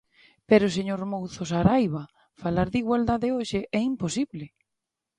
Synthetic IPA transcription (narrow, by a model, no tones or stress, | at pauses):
peɾoseɲoɾmowθosaɾajβɐ | falaɾðiɣwald̪aðɪoʃɪʔɛimposiβlɪ